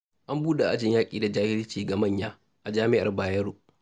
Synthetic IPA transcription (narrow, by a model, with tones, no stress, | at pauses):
ʔa˦mbuː˦da˨ʔa˦d͡ʒɪ˨ɲjaː˦kʼḭː˨da˨d͡ʒaː˦hɪ˦ɾɪ˦t͡ʃiː˨ɡa˨mɐ˦˨ɲjaː˦ | ʔa˨d͡ʒaː˦mɪ˦ʔa˨rbaː˨jɐ˦ɾuː˨ʔ